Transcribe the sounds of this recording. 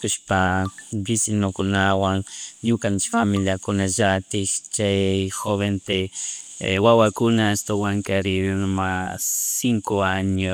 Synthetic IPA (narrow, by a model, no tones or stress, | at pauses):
kʊʃpabisilmokʊnawaŋɲʊkant̪familjakʊnaʒat̪ɪkt͡ʃajxoβent̪e | wawakʊnaest̪owaŋkaɾiβnmassiŋkoaɲo